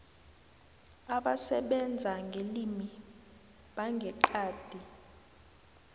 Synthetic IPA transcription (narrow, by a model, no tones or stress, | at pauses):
aɓasɛɓɛnd͡zʱaŋɡʱelimi | ɓaŋɡʱɛǃaːd̥ʱi